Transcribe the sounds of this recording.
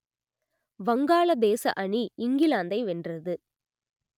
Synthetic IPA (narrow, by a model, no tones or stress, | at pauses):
ʋɐŋɡaːɭɐd̪eːsɐ̰ʔɐɳiɪŋɡɪlaːnd̪ɐɪʋɛndrɐðɯ